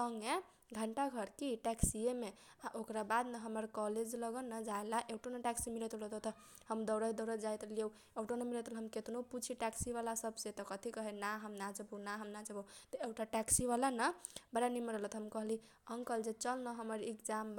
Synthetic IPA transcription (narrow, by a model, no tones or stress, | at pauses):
əŋɡe | ɡʱəɳʈaɡʱəɾkiʈɛksieme | aʔokɾabad̪nəɦəməɾkɔled͡ʒləɡənəd͡ʒaelaʔewʈonəʈɛksimilet̪olɔt̪ot̪ʰ | həmd̪əwɾəid̪əwɾəd͡ʒajt̪lie | ewʈonəmilet̪ulɦəmket̪noput͡ʃʰiʈɛksiβalasəbset̪ɔkət̪ʰikəɦɛnaɦəmnad͡ʒəbonaɦəmnad͡ʒəbot̪əewʈaʈɛksiβalanəbaɾaniməɾəɦlət̪ɦəmkəɦli | əŋkəld͡ʒet͡ʃəlnəɦəməɾekd͡ʒamb